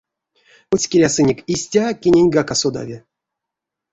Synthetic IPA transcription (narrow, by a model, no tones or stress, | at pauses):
ut͡sʲkʲiɾʲasɨnʲekʲisʲtʲakʲenʲenʲɡakasod̪a̰vʲi